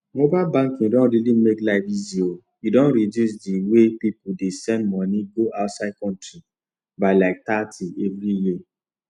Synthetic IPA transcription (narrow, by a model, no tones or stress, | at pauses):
mobabãŋkĩdɔ̃nɾilimeklaɪfizio | idɔ̃nɾidus̬diwepipudesɛ̃ndmɔ̃nĩɡoʔaʊtsad̚kɔ̃ntɾi | baɪlaɪk̚tatʰievɾiji